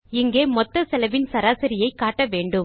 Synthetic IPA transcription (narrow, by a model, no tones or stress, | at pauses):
ɪŋɡeːmɔt̪ːɐsɛlɐʋɪnsɐɾaːsɪɾɪjɐɪkaːʈːɐʋeːɳɖɯ